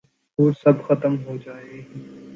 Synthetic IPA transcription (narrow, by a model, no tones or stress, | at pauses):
uːɾsɐbxət̪əmɦoːd͡ʒaːeɦː